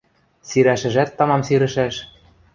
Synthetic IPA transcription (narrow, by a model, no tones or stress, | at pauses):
siɾæʃɘ̆ʒæt̪ːɑmɑmsiɾɘ̆ʃæʃ